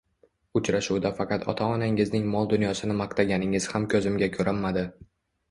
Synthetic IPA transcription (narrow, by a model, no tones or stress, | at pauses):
ʊt͡ʃɾaʃuwd̪afɑqʰɑt̪ʰɒ̰t̪ʰaɒnaŋɪznɪŋmɒlˠd̪ʊnjɒsɪnɪmɑqt̪ʰaɡʲanɪŋɪz̥hamkʲʰɵzɪmɡʲakʲʰɵɾammːad̪ɪ